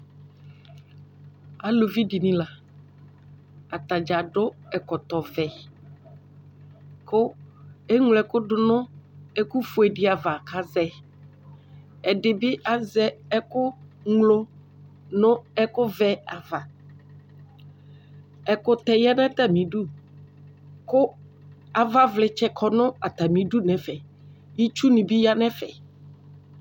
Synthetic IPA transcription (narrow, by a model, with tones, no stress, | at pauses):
a˨lo˨vi˦ɖi˨nĩ˦la˨ | a˨t̪a˨d͡ʒa˨ɖʊ˦ɛ˨kɔ˨t̪ɔ˨vɛ˨ | kʊ˦e˦ŋlɛ˨kʊ˦ɖʊ˦nʊ̃˦e˦ku˦fʊ˨ɛ˨ɖɪ˦a˨va˨ka˦zɛ˦ | ɛ˨ɖɪ˨bɪ˦ʔa˨zɛ˦ɛ˦kʊ˦ŋlo˦ | nʊ̃˦ɛ˦kʊ˦vɛ˦a˨va˨ | ɛ˨kʊ˦t̪ɛ˨jɛ˦nɛ̃˦t̪a˨mĩ˨ɖu˦ | kʊ˦ | a˨va˦vlɪ˨t͡ʃɛ˦kʰɔ˨nʊ̃˦a˨t̪a˨mĩ˨ɖu˦nɛ̃˨fɛ˨ | ji˦t͡ʃu˦nĩ˨bi˦ja˦nɛ̃˦fɛ˨